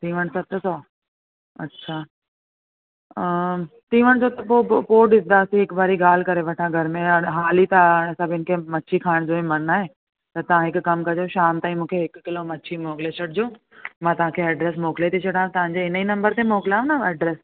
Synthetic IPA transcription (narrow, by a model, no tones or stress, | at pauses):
t̪ĩːʋəñsɐt̪sɔː | ɐ̰tːɕʃʰaː | t̪ĩːʋəɽ̃d͡ʑoːt̪ɐpoːpoːɗɪsd̪asĩɦɪkbaːɾiɡaːl̤kɐɾeʋɐʈʰãɡʱɐɾmẽɦaːlit̪ɐ̃ɐsãbɪɪnkʰemɐʃʰikʰaːɪɽ̃d͡ʑoːĩmɐnnaːɦeː | t̪ɐt̪ɐʋ̤ãɦɪkkɐmkɐd͡ʑoʃaːmt̪aːĩmũːkʰeɦɪkkɪlomɐʃʰimoːklet͡ɕʰɐɽɪd͡ʑoː | mãːt̪ɐʋ̤ãkʰeɐɖɾeːs̬moːklet̪ʰit͡ɕʰɐɽãːt̪ɐʋãɲd͡ʑeɪninɐ̃mbəɾt̪emoːkɪlaːũnaɐɖɾɛːs